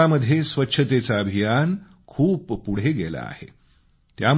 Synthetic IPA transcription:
aməd̪ʱjesʋətːɕʰət̪et͡saəbʱijan | kʰuːpːuɽ̤eɡela̰ːhḛ | t̪jam

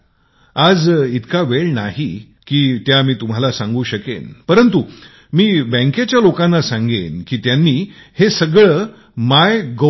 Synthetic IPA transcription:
ad͡zit̪kaʋeɭnaɦi | kiːt̪jamiːt̪um̤alasãŋɡuːɕəkḛnpəɾənt̪u | miːbə̃ŋket͡ɕjalokãnːasãŋɡḛnkiːt̪janːiːhesəɡɭəː | majɡə

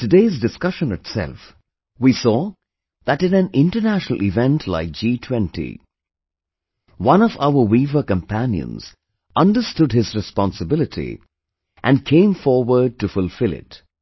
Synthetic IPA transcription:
tɨdeɪzdɨskʌʃə̃nɨtsɛ̰lˠf | wisɔ | ðɨɾɨ̃næ̃nɪ̃ntə˞næʃnəl̩ˠʔɪvɛ̃ntʰla̰ɪk̚d͡ʒ̥itʰw̥ɛ̃ntḭ | wʌ̃nʌvaʊə˞wivə˞kə̃mpʰæ̃njɨ̰̃nz̥ | ʔʌ̃ndə˞stʊdhɪzɹɨspɑ̃nsɨbɪlˠɨtʰḭ | ʔɨ̃nkʰẽɪ̃ɱfɔɹwə˞d̚tɨfʊlˠfɪlˠɪ̰t

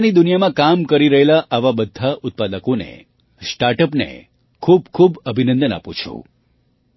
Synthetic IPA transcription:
nid̪unijamãkamkəɾiɾəɦelaʔaʋabəd̪ʱːaʔʊt̪̚pad̪əkonḛ | sʈaɾʈəpnḛ | kʰub̚kʰubəbʱinə̃nd̪əna̰pṵ̃t͡ʃʰṵ

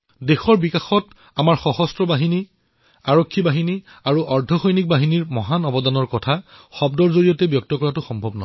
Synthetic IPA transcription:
dexɔɹbikaxɔt | amaɹxɔɦɔstɹɔbaɦini | aɹokʰːibaɦini | aɹuʔɔɹdʱɔxɔjnik̚baɦiniɹmɔɦanɔbɔdanɔɹkɔtʰaxɔb̚dɔɹzoɹijɔtɛbjɔk̚tɔkɔɹatʊxɔmbʱɔbnɔ

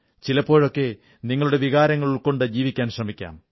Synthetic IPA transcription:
t͡ɕilɐpːo̞ːɻo̞kːe̞ | niŋːɐɭuɽe̞ʋiɣaːɾɐŋːɐɭiɭko̞ɳɖɨd͡ʑiːʋikʲːaːnɕrɐmikʲːa̰ːm

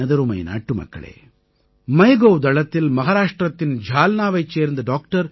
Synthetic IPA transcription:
ɐd̪ɐɾumɐ̰jna̰ːʈːumɐ̰kːɐ̰ɭḛː | mɐjɡowd̪ɐɭɐt̪ːilmɐɦaːɾaːʂʈɾɐt̪ːind͡ʒʱaːlnaːʋɐjt͡ʃːeːɾnd̪ɐɖaːk̚ʈɐɾ

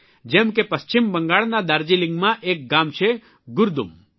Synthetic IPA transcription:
d͡ʒemkepɐst͡ʃimbə̃ŋɡaːɽnad̪aɾd͡ʒilĩŋɡmãʔeːk̚ɡaːmt͡ʃʰe | ɡʊɾd̪ṵm

